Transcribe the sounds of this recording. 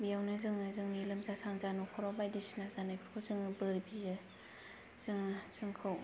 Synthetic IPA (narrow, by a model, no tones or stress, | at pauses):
bijawnɯzɯŋazɯŋnilɯmzasaŋzanɔkʰɔɾɔbajdisinazanajpʰɾkʰɯzɯŋɯbɯɾbizɯ | z̥ɯŋz̥ɯŋkʰɯw